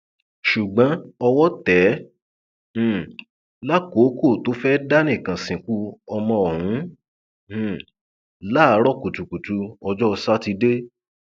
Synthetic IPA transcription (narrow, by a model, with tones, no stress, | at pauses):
ʃu˨ɡ͡bã˨˦ɔ˧wɔ˦tɛ˨˦˨ | la˦ko˨˦ko˦˨to˨˦fɛ˦da˦nĩ˦˨kã˨sĩ˨ku˦ɔ˧mɔ̃˧ɔ˨hũ˨˦˨ | la˦a˨˦ɾɔ˦˨ku˨tu˨ku˨tu˧˦ɔ˧d͡ʒɔ˦˧sa˦ti˧de˦